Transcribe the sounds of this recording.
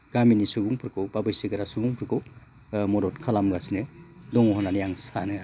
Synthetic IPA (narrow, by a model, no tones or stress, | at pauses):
ɡ̥aminisubuŋpʰɾkʰobabɯjsiɡɯɾasubuŋpʰɾkʰo | mɔɾɔtkʰalamɡasinedɔŋɦɔnanjaŋsanɯ